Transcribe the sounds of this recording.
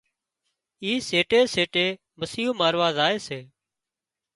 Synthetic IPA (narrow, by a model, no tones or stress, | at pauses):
iːseːʈeːseːʈeː | məsiːɦuːmaːɾʋaːzaːeːseː